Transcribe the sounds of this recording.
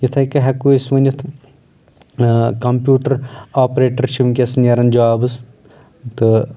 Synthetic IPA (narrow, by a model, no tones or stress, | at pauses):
jit̪ʰɐjkɐɦɐkuisʋɐnʲit̪ʰ | kɐmpʲjuːʈɐɾaːpɾeːʈɐɾt͡ʃʰiʋŋkʲesɨnjɐɾɐnd͡ʒɐwaːbɨs | t̪ɨ